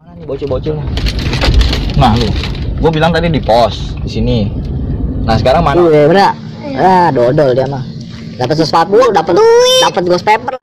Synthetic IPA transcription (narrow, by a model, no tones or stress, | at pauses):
nanibot͡ʃubot͡ʃula | nahluɡuabilaŋt̪adidipɔsdisini | nahsəkaɾaŋmaemana | adɔdɔldiama | dapat̪səswat̪̚buldapat̪dapət̪̚ɡuspɛpər